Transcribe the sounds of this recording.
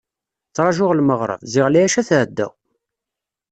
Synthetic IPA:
t͡sːɾˤɑʒʊʁlməʁɾˤə̰vzɪʁlæjæʃæθʕd̪ːæ̰

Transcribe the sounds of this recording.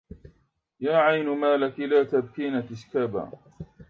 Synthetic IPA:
jaːʕajnmaːlakɪlaːt̪ab̚kiːnat̪ɪʃkaːba̰ː

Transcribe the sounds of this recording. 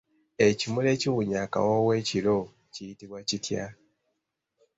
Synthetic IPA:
e̞cimule̞ciwuɲaka̰wowe̞ːcilo̞ | cijitiβwacitja̰

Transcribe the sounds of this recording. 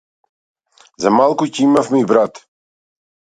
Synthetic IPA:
zamalˠkucɛimafmɛibɾat̪

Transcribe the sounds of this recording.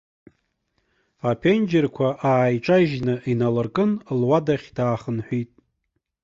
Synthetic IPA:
apʰend͡ʒɪrkʷʰaʔaːjʈ͡ʂʼaʒnɨinalɨrkʼɨnlwadaχʲdaːχənħʷᶣitʼ

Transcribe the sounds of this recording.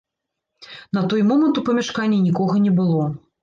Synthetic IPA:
nɐt̪ɔjmɔmɐnt̪upɐmʲɛʂkanʲːɛnʲikɔɣɐnʲɛbɨlˠɔ

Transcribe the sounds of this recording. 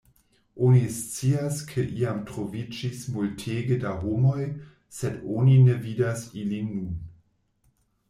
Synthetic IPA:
ʔonist͡siaskʰeʔiamtɾovid͡ʒismultʰeɡədaɦomo̞j | sedoninevidasilinːun

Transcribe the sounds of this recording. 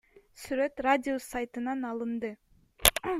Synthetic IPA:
syɾøt̪radʲɪosajt̪ɯnɑnɑlˠɯnd̪ɯ

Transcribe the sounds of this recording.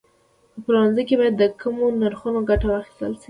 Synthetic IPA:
pəpəɾwanzəjk̬ebɑjad̪ːəkəmonaɾxunoɡaʈawaxi̥st̪əlʃi

